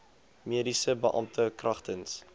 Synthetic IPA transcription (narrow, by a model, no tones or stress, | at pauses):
miədisəbəʔɑ̰mtʰəkrɐχtəns